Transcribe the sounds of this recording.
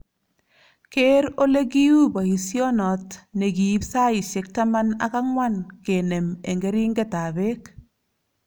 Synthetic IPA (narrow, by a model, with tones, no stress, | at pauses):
ke˦ɾo˦le˦ɡi˦u˦ba˨i˨sjɔ˦nɔ˨tnɛ˨ɡi˨i˦psa˦ɪ˨ʃɪ˦k̚ta˦ma˦na̰˨ka˦ŋwa˦nke˨nɛ˨me˨ŋɡɛ˦ɾi˦ŋɡe˦ta˨be˦k